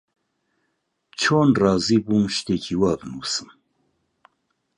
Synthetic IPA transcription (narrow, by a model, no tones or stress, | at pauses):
t͡ʃʰoːnrɑːziːbuːnʃt̪eːkʰiwaːbɨnuːsɨm